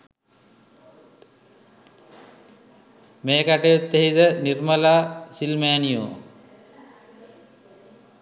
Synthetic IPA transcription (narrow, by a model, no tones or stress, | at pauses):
meːkaʈejut̪ːeɦit̪ənirmɐlaːsilmaːnijoː